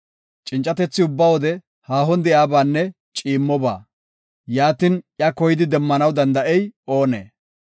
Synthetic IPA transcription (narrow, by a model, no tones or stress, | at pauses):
t͡ʃʼɪnt͡ʃʼːɐt̪ɛt͡sːɪʊbːɐwɔd̪ɛ | haːɦɔnd̪ɛjaːbaːnːɛ | t͡ʃʼiːmːɔba̰ː | jaːt̪ɪnʔjɐkɔjɪd̪ɪd̪ɛmːɐnɐwd̪ɐnd̪ɐʔɛjʔo̞ːnḛː